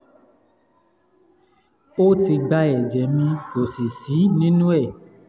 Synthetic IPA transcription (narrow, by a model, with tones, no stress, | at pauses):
o˦ti˧ɡ͡ba˧ɛ˨d͡ʒɛ˨mĩ˧to˨si˨si˨˦nĩ˦nũ˦ɛ˦˨